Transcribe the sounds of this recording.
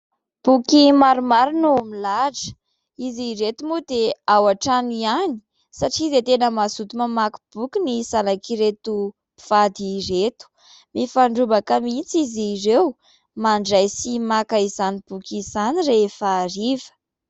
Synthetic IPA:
b̥ukimaɾumaɾinumilad͡ʒə̥ | iziɾet̪umud̪eawaʈ͡ʂaniani̥ | saʈ͡ʂizet̪enəmasut̪umamaku̥b̥ukinisanakiɾet̪u | i̥v̥ad̪iret̪u̥ | mifaɳɖ͡ʐubakəmit͡sizirew | maɳɖ͡ʐajsimakaizanib̥ukizanireefaɾivə̥

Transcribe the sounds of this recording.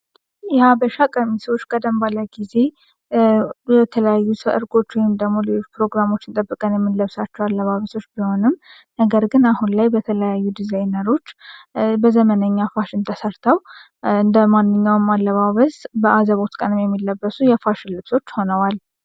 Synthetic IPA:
jɛhabəʃakʼəmiswot͡ʃːkʼəd̪əmbaləɡize̞ | bɛt̪ʰələjajːusʰəʔɨ̰ɾɡo̞t͡ʃːwɔjɪmd̪əɡmo̞lpɾo̞ɡɾamo̞t͡ʃːɪnt̪ʼəbːɨkʼənjɛmːɨnləβsat͡ʃːɛwalːəβaβəso̞t͡ʃːbiho̞nɨmː | nəɡəɾɡɨnahunlajbət̪ʰələjajːud̪izajnəɾo̞t͡ʃːbəzəmənəɲːafaʃɪnt̪ʰəsəɾt̪ʰəw | ɨnd̪əmanːɨɲːawɨmːalːəβaβəsbəʔazəβo̞t̪kʼənɨmjɛmːilːəbːəsujɛfaʃɪnlɨβso̞t͡ʃːho̞nəwal

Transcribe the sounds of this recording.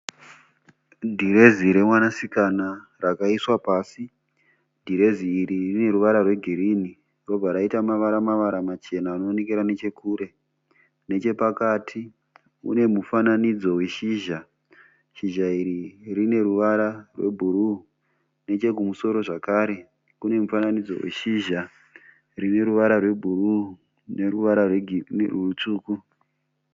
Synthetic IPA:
dʱiɾe̞ziɾe̞mwanasikanarakaiswapaːsi | dʱiɾe̞ziːɾirine̞ɾuʋaɾarwe̞ɡʱiɾiːni | ro̞bʱaɾaitamaʋaɾamaʋaɾamat͡ʃe̞naːno̞nek̬eɾane̞t͡ʃe̞kuːɾe̞ | ne̞t͡ʃe̞pakaːtʰi | ṵne̞mufananid͡zo̞weʃiʒa | ʃiʒaiɾirine̞ɾuʋaɾarwe̞̰bʱuɾu | ne̞t͡ʃe̞k̬umuso̞ɾo̞ʐakaːɾe̞ | kune̞mufananid͡zo̞̰wḛʃiʒa | rine̞ɾuʋaɾarwe̞bʱuru | neruʋaɾarurut͡ʂuːku

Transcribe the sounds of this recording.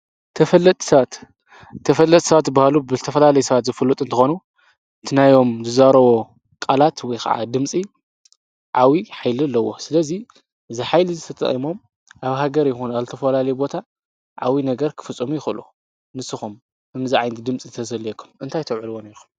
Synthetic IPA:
t̪ʰɐfɐlːɐt̪ʼɐat̪ʰː | ɐfɐlːɐt̪ʼsɐβat̪bahalubɨzɨt̪ʰɐfɐlalɐjusɐβat̪zɨfɨlːut̪ʼɨnt̪ʰɨ̥xo̞nu | ɨt̪ʰɨnajo̞mzɨzaɾɐwo̞ | kʼalat̪wɔjkʰa̰ʕa̰d̪ɨmt͡sʼi | ʕawiħajlilːɐwːo̞sɨlɐzi | zɨħajlizɨt̪ʰɐt̪ʼɐ̰χʼimo̞m | ʔaβɦaɡɐɾjɪxunazɨt̪ʰɐfɐlalɐjubo̞t̪ʰa | ʕa̰winɐɡɐɾkʰɨ̥fɨt͡sʼːomujɪxɨlʔu | nɨsɨxum | ʔɨmziʕajnt̪ʰid̪ɨmt͡sʼit̪ʰɐsɐlekʰːumɨnt̪ʰajt̪ʰɐwʕɨlwoneɾuk

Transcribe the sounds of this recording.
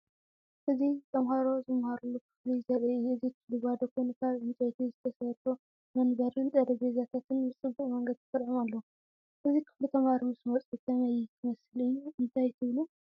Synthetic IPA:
ʔɨzit̪ʰɐmhaɾo̞zɨmhaɾulːukʰɨ̥flizɐɾɨzit̪ʰɨdɨβad̪ɐkʰojnɨk̪ʰaβʕɨnt͡sʼɐt̪ʰizɨt̪ʰɐsɐɾfʰo | mɐnbɐɾɨnd̪ʼɐd̪ɐɡezat̪ʰat̪ʰɨnbɨt͡sʼɨbːuχʼmɐŋɡɐd̪t̪ɨfɨɾʕimalːɐu | ʔɨzikʰɨflit̪ʰɐmhaɾimɨsmɐt͡sʼɨt̪ʰɐmajt̪ʰɨmɐsɨlɨjːuɨnt̪ʰajt̪ʰɨβlu

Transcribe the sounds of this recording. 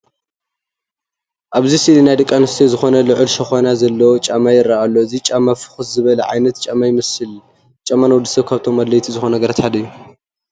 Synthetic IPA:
ʔaβzisilinajd̪ɨkʼːanɨst̪ʰizɨxo̞nɐlɨʕɨlʃɐxonazɐlːɐwt͡ʃʼamajɪɾɐʔalːo̞ɨzit͡ʃʼamafɨ̥xɨszɨβɐlɐʕa̰jnɐt̪t͡ʃʼamajɪmɨsɨl | t͡ʃʼamːanwɔd̪ɨsɐβkʰaβt̪ʰo̞mːad̪lɐjt̪ʰizɨxo̞nɐɡɐɾat̪ħad̪ɐjːu

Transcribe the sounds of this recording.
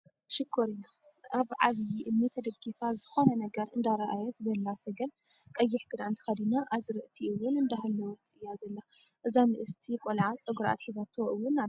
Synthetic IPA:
ʃɨkʰːoɾina | ʔaβʕa̰zbiʔɨnːit̪ʰɐd̪ɐɡifazɨxo̞nɐnɐɡɐɾɨnd̪aɾɐʔajɛt̪zɐlːasɐɡɐl | kʼɐjːɪħɡ̥ɨɾaɨnt̪ʰi̥xɐd̪inaʔazɨɾɨʔt̪ʰiʔɨwʊnɨnd̪aɦɐlːɐwɔt̪ɨjazɐlːa | ʔɨzanɨʔɨst̪ʰikʷʼolʕat͡sʼɐɡuɾʔa̰t̪ħizat̪ʰoʔɨwːʊnːa

